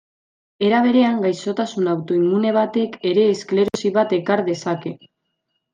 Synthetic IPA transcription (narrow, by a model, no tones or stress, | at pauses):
e̞ɾaβ̞e̞ɾe̞aŋɡajso̞t̪asunawt̪o̞imune̞β̞at̪e̞ke̞ɾe̞ːskle̞ɾo̞siβat̪e̞kaɾðe̞sake̞